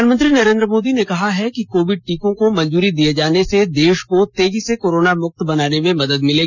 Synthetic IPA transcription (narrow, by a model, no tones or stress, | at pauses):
anmə̃nt̪ɾinɐɾẽːnd̪ɾəmoːd̪inekɐɦaɦɛkikoːʋɪɖ̚ʈiːkõkomɐ̃ɲd͡ʒuːɾid̪ijed͡ʒaːnesed̪eːʃkot̪eːd͡ʒisekoːɾoːnamʊq̚t̪bɐnaːnemẽmɐd̪əd̪mɪleː